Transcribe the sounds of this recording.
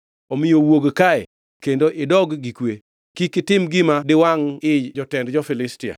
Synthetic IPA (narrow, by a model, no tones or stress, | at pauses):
omɪjowoɡkaɛ | kendoʔɪdɔɡɡikwe | kikɪtɪmɡɪmadɪwaŋɪd͡ʒd͡ʒɔtɛndd͡ʒɔfɪlɪstɪa̰